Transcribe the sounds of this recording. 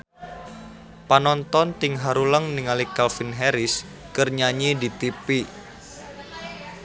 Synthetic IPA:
panɔnt̪ɔnt̪ɪŋɦaɾuləŋniŋalikalfinɦɛɾɪs | kərɲaɲidit̪ipi

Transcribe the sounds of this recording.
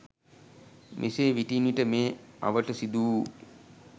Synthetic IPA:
mʔḭseːʋiʈinʋiʈəmeːa̰ʋəʈəsid̪uː

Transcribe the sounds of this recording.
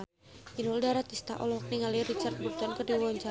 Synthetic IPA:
inuldaɾat̪ist̪aʔɔ̰lɔk̚niŋalirit͡ʃart̪k̚bup̚t̪uankərdiwɔwaɲt͡ʃa

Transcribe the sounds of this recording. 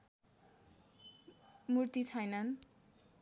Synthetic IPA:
muɾt̪it͡sʰʌjnan

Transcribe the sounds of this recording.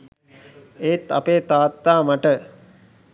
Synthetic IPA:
eːt̪ːɐpeːt̪aːt̪ːaːmaʈə

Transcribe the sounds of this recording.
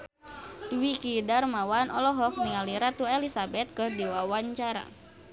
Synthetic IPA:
wikidarmawanʔɔlɔɦɔk̚niŋaliɾat̪uɛlisabɛt̪̚kɨrdiwawaɲt͡ʃaɾa̰

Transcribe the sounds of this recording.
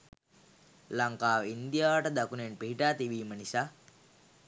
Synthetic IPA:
laŋkaːʋind̪ijaːʋʈəd̪akunenpiɦiʈaːt̪iʋiːmənisa

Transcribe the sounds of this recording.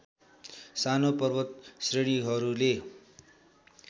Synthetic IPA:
sanopʌrbʌt̪sreɽ̃iɦʌɾule

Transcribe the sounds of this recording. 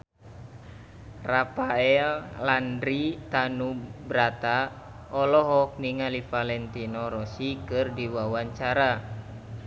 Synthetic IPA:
rafaɛllandɾit̪anubɾat̪a | ɔlɔɦɔk̚niŋalifalɛnt̪inɔɾɔsikɨrdiwawaɲt͡ʃaɾa

